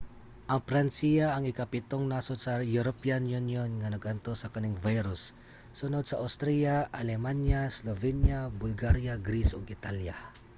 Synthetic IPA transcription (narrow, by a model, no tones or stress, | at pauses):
ʔɐŋpɾansijaːŋɪkapɪt̪oŋnasot̪sɐjuɾopianjunjonŋanɐɡʔɐnt̪osɐkɐnɪŋvajɾʊsː | ʊnod̪̚sɐʔawst̪ɾijaʔalɛmanjaslovɛnjabʊlɡaɾjaɡɾisʔɔɡɪt̪alja